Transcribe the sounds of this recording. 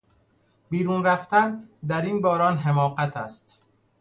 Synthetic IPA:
biːɾuːnɾæft̪ænd̪æɾiːnbɒːɾɒːnɦemɒːɢæt̪ʰæst̪

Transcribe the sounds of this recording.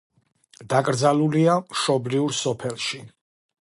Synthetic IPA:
d̪̥akʼɾd̪zaluliamʃɔbliuɾsɔpʰɛlˠʃi

